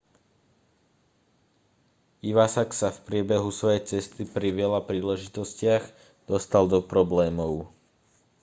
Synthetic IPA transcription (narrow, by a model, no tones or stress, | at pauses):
iʋasaksafpɾɪɛbɛɦusʋɔjɛjt͡sɛst̪ipɾiʋɪɛlapɾiːlɛʒit̪ɔscɪaɣ | d̪̥ɔst̪ald̪ɔpɾɔblɛːmɔʊ